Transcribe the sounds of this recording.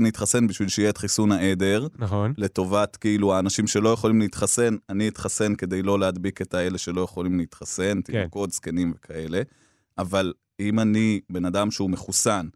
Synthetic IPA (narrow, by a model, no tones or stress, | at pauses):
nit̪χase̞nbiʃvilʃeijeːtχisunaʔe̞d̪e̞ʁnaχnle̞t̪o̞vatkeiluaːnaʃimʃe̞lo̞jeχo̞limleit̪χase̞naniit̪χase̞nke̞d̪e̞jlo̞leɦad̪bike̞tae̞le̞ʃe̞lo̞jeχo̞limleit̪χase̞nt̪iko̞t̪ske̞nimve̞kʰae̞le̞ | ʔaval | imanibe̞nadamʃeume̞χusan